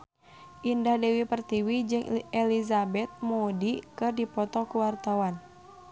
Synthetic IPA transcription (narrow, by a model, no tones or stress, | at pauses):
ʔindahdɛwipərt̪iwid͡ʒɨŋɛlizabɛt̪̚modikɨrdipɔt̪ɔkuwart̪awan